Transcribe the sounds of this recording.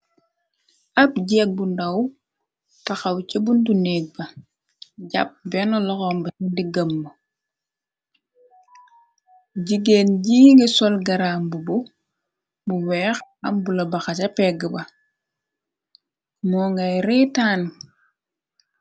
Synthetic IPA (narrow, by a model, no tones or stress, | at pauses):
ʔɐp̚ɟɛːk̚bundɐw | tɐxawcɐbuntuneːɡ̚bɐ | ɟɐ̰p̚bɛnɔlɔxɔmbɐundiɡɐmːɐ | ɟiɡeːnɟiːŋɡesɔlɡɐɾaːmbubu | buwɛːxɐmbulɐbɐxat͡ʃɐpɛɡəbɐ | mɔːŋɡɐjɾitaːn